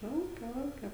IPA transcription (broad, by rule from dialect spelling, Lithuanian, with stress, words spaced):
ˈlˠɐʊkʲɛ ˈlˠɐʊkʲɛ